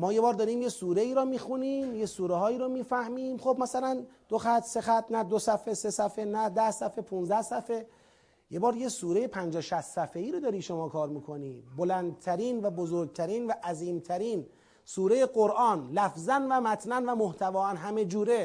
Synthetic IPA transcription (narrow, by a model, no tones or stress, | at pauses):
mɒːjebɒːɾd̪ɒːɾiːmjesuːɾe̞iːɾɔmiːxuniːmjesuːɾeɦɒːiːɾomiːfæhmiːmxobmæsælænd̪̥oxæt̪se̞xæt̪̚ʰnæd̪osæfesesæfenæd̪æhsæfepʰuːnzæhsæfe | jebɒːɾjesuːɾejepʰænd͡ʒɒːʃæst̪sæfeiːɾod̪ɒːɾiːʃomɒːkʰɒːɾmiːkʰo̞niːbolænd̪̚t̪ʰæɾiːnvæbozoɾɡ̚t̪ʰæɾiːnvæʔæziːmt̪ʰæɾiːn | suːɾe̞jeɡoɾʔɒːnlæfzænvæmæt̪ʰnænvæmoht̪ʰævɒːænɦæme̞d͡ʒuːɾe